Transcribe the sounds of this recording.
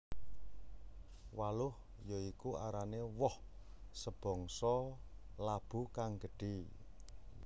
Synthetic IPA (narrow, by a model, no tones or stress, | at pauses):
walʊh | jɔikua̰ɾanewɔh | səb̥ɔ̤ŋsɔ | lab̥ṳkaŋɡə̤ɖ̥i̤